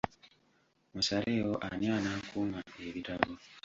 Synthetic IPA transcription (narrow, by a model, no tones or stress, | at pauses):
musaɾeːwoʔanianaːkuːmaeβitaβo